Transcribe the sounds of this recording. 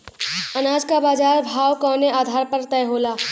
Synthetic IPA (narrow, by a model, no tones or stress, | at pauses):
ənaːd͡ʒkabaːd͡ʒaːɾbʱaːwkɔ̃ːneʔaːd̪ʱaːɾpəɾt̪ɛjɦoːlaː